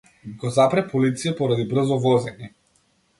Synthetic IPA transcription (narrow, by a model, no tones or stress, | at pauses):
ɡɔzapɾɛpɔlit̪sijapɔɾad̪ibr̩zɔvɔzɛni